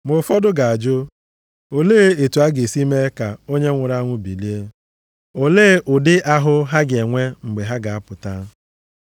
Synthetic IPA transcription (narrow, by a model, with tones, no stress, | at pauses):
mʊ˨fɔ˦dʊ˦ɡa˨a˨d͡ʒʊ˦ | o˨leː˦e˨tu˨a˦ɡe˨si˦me˦ka˨o˦ɲe˦ŋʷʊ˨ɾa˦ŋʷʊ˦bi˨li˦e˦ | o˦leː˦ʔʊ˨dɪ˦ʔa˦ɦʊ˦ɦa˦ɡe˨ŋʷe˦ŋ͡m̩˨ɡ͡be˨ɦa˦ɡa˨a˦pʊ˨ta˦